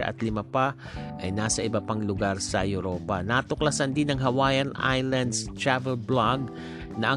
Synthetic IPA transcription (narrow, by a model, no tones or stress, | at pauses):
ɐ̰ʔɐ̰t̪lɪmapa | ʔɐjnaːsɐʔɪbɐpaŋlʊɡaɾsɐ̰jʊɾoːpɐnat̪ʊklɐsɐnd̪ɪnɐŋɦɐwaːjɐnʔa̰jlɐnd̪st̪ɹavɛlblaɡ̚ | nɐʔɐ